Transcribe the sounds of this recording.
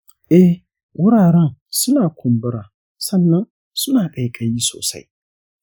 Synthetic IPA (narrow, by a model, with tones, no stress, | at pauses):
ɛ˦ | wʔʊ˦ɾaː˨ɾã˦˨sʊ˦nãː˨kʰʊ̃˨m˨bɨ˦ɾa˨ | sã˦nːã˦ | sʊ˦nãː˨bɛ˨kʰa˨ji˦so̰ː˨sa̰˨ḭ˨